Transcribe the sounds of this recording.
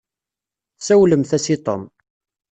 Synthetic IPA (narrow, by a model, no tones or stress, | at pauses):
sæwləmθæsit̪ˤo̰m